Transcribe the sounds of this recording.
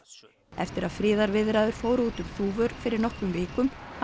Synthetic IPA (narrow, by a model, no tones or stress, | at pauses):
ɛ̰ft̪ɪɾaðfɾɪːðaɾvɪðɾaðʏɾ̥foːwɾuːt̪ʏmθuːvœɾfɪɾɪɾnɔhkʏmvɪːkʏmh